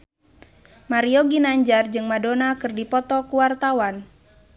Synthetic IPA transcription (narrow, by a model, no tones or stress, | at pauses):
maɾiɔɡinaɲd͡ʒard͡ʒɨŋmadonakɨrdipɔt̪ɔkuwart̪awan